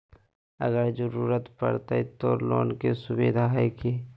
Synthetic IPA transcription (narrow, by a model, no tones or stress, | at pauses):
ə̰ɡəɾd͡ʒəɾuːɾət̪pə̰ɾt̪əit̪oːɾlo̰ːnkesʊbeːd̪ʱaɦɛke